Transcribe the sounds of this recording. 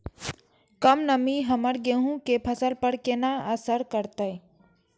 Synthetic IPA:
kəmnəmiɦəməɾɡeɦũkepʰəsəlpəɽkenaəsəɾkəɾt̪əj

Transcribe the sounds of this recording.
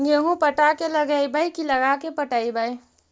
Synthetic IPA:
ɡeɦũpəʈakeləɡaibəikiləɡakepəʈaibai

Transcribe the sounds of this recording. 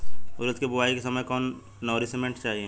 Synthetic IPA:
ʊɾət̪kebʊʋaːikesɐməjkɔːnː | ɔːɾisemẽɳʈt͡ʃaːɦie

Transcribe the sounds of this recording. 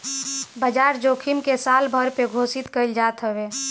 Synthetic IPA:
bəd͡ʒaːɾd͡ʒoːkʰimkesaːlbʱəɾpeɡʱoːsit̪kəɪld͡ʒaːt̪ɦəbe

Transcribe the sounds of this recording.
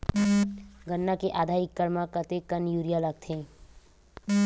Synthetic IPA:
ɡənːakeʔaːd̪ʱaːɪkːəɾmãkət̪ekənjuːɾijaləɡ̚t̪ʰẽː

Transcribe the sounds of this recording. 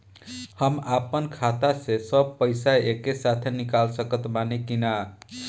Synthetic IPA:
həmapənkʰat̪asesəb̚pəɪsaekesat̪ʰenikalsəkət̪manekina

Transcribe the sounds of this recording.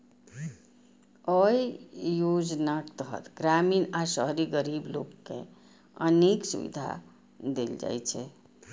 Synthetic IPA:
əjjod͡ʒnakt̪əɦə̰t̪ɡɾaminasəɦɾiɡəɾiblo̰kːḛ̃ | əneksṵbḭd̪ʱa̰ | d̪eld͡ʒa̰jt͡ʃʰɛ

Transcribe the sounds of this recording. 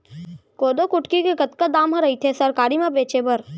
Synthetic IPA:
koːd̪okʊʈkikekət̪kad̪aːmɦɐ̃ɾɐit̪ʰesəɾkaːɾimẽbeːt͡ʃebəɾ

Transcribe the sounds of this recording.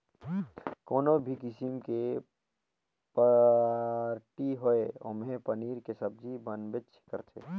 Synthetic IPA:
koːnobʱikɪsimke | pə | ɾʈiɦoeo̰mɦepəniːɾkesɐb̚d͡ʒibənbet͡ʃʰkəɾt̪ʰḛ

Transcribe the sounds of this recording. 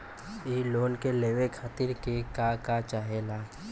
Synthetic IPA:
iːloːnkeleːʋekʰaːt̪ɪɾkekakat͡ʃaːɦelaː

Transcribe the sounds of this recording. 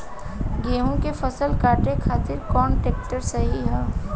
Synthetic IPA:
ɡeːɦõkefɐsəlkaːʈekʰaːt̪ɪɾkɔːnʈeːk̚ʈəɾsɐɦiɦɛ̃ː

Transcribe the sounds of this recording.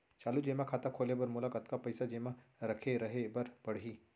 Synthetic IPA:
t͡ʃaːlud͡ʒeːmãkʰaːt̪akʰoːlebɐɾmʊlakɐt̪kapɐɪsad͡ʒeːmãɾɐkʰeɾɐɦebɐɾbɐɽ̤ɦiː

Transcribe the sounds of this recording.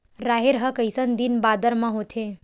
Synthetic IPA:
ɾaːɦeɾɦəkəjsənd̪inbad̪əɾmãɦot̪ʰe

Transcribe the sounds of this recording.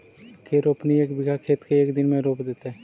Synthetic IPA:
keɾopnieːkbɪɡʱakʰeːt̪keeːkd̪ɪnmẽɾoːpd̪eːt̪e

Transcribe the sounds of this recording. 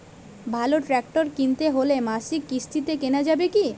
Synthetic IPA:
bʱaloʈɾɛk̚ʈoɾkint̪eɦolemaʃikːist̪it̪ekenad͡ʑabeki

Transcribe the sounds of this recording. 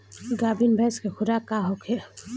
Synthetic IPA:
ɡabinbʱaskekʰudakaɦɔkʰɛ

